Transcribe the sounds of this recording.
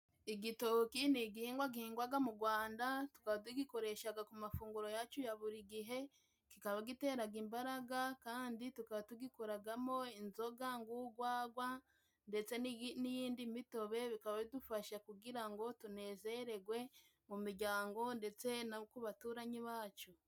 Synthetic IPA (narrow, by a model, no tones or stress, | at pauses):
iɡito̞kiniɡihiːŋɡwaɡihiːŋɡwaɡamuɡwaːndatu̥kaβat̬uɡiko̞ɾe̞ʃaɡakumafuːŋɡuɾo̞jat͡ʃujaβuɾiɡiɦe̞ | kikaβaɡite̞ːɾaɡimbaɾaɡakaːnditukaβatuɡikoɾaɡamo̞inzo̞ɡaŋɡuɡwaːɡwa | nde̞t͡se̞niinijiːndimito̞βe̞βikaβaβidufaʃakuɡiɾaŋɡo̞tune̞ːze̞ɾe̞ɡwe̞ | mumiɾɟaːŋɡo̞nde̞t͡se̞nakuβatuːɾaɲiβaːt͡ʃo